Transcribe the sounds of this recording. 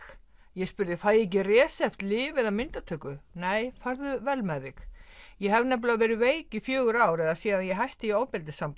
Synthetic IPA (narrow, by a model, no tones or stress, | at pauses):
jɛɣspʏɾðɪfajec̬ɪrɛːsɛft̪lɪːvɪðamɪnt̪at̪ʰœːkʏneːjfaɾðʏvɛlmaːðɪxjɛɦɛvnɛp̬lʏavɛːɾɪveːjcifjœːɣʏɾaːwɾɛðasiːðanjɛɦajht̪ɪioːwpɪlt̪ɪsamp